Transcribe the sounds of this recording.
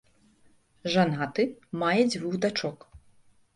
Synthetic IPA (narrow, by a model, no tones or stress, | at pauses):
ʐanat̪ɨmajɛd͡zʲvuɣd̪at͡ʂɔk